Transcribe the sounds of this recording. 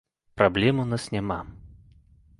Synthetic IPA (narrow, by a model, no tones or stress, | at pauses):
pɾɐblʲɛmʊnasnʲɛma